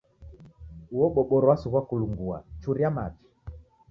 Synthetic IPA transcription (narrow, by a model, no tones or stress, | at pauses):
uwɔɓɔɓɔɾɔwasuɣwakuluŋɡua̰t͡ʃuɾiamat͡ʃi̥